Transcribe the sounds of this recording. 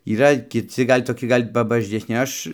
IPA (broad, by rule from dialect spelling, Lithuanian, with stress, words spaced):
iːˈrɐ kʲɪˈt͡sʲɪ ˈɡɐlʲ toːˈkʲɪ ˈɡɐlʲ pɐbɐʒʲɛsʲˈnʲɪ ˈɐʃ